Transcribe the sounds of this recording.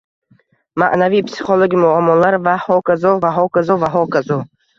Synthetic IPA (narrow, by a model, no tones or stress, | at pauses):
maʔnavipsi̥χɔloɡimuamɔlaɾvahɔkazɔvaɦɔkazɔvaɦɔkazɔ